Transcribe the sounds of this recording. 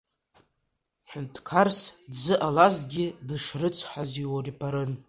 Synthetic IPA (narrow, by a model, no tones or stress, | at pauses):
ħʷᶣʊntʰkʰarsdzɨʔalazɡʲɪdɨʂrɨt͡sʷʰħʷaziwaripʰaɾɨn